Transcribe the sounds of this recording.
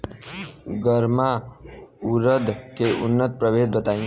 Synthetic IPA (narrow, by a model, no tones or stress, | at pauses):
ɡəɾma | ʊɾəd̪keʔʊ̰nːət̪̚pɾəʋeːd̪̚bət̪aːĩ